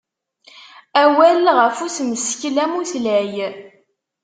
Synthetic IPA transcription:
æwælʁəfusməsçlæmuθlæj

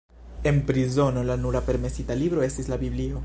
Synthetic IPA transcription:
e̞npɾizo̞no̞lanuɾape̞ɾme̞sitalibɾo̞e̞stislabiblio̞

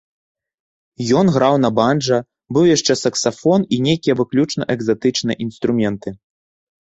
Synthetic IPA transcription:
jɔnɣɾawnɐbanʐɐ | bɨwjaʂt͡ʂɛsɐksafɔninʲejkʲijɐvɨklʲut͡ʂnɐ̰ʔɛɡzat̪ɨt͡ʂnɨjɐ̰ʔinst̪ɾumʲɛnt̪ɨ

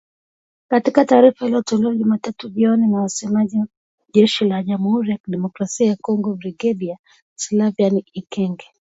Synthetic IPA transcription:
katikataːɾifahiliɔtɔlɛɔʄumatatuʄiɔninawasɛmaʄi | ʄɛʃilaʄamuhuɾijakiɗɛmɔkɾasiajakɔŋɡɔbɾiɡɛɗia | slavianiikɛŋɡɛ

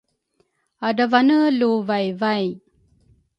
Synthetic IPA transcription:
adavanəluvajvaj

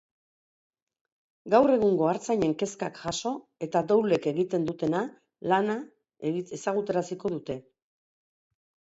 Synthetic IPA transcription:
ɡawre̞ɣuŋɡo̞aɾt͡sajɲe̞ŋke̞skakʝaso̞ | e̞t̪ad̪owle̞ke̞ɣit̪e̞nd̪ut̪e̞na | lana | esaɣ̞ut̪e̞ɾasiko̞ðut̪e̞

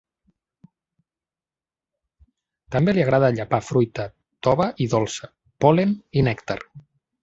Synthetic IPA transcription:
t̪əmbeliaɣ̞ɾað̞əʎapafɾujt̪ə | t̪ɔβəʔiðɔlˠsə̥ | pɔleninɛkt̪a̰r

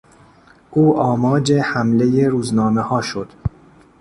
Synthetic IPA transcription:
ʔuːʔɒːmɒːd͡ʒe̞hæmleje̞ɾuːznɒːmehɒːʃod̪̥

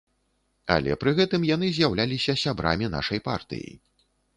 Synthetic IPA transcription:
a̰lʲɛ̰pɾɨɣɛt̪ɨmjanɨzʲjawlʲalʲisʲɐsʲabɾa̰mʲina̰ʂɐjpa̰rt̪ɨ̰jḭ

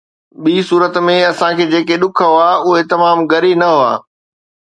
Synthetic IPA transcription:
ɓiːsuːɾət̪mẽɐsãkʰeːd͡ʑeːkeɗʊkʰəɦoaːʊɦet̪ɐmaːmɡɐɾinɐɦʊa̰ː

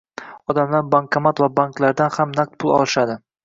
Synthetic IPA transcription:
ɒd̪amlaɾbaŋkʰamat̪vabaŋklaɾd̪anhamnaq̚t̪̚pʰʊlˠɒ̰lˠɪʃad̪ɪ

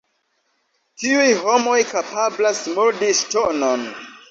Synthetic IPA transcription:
tiujɦo̞mo̞jkapablasmuɾdistonon

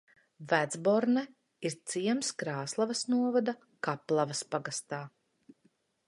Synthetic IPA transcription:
væd̪zbɔɾnɛ | iɾt̪siɛmskɾaːslˠavɐsnuɔvad̪a | kaplˠavɐspaɡast̪aː

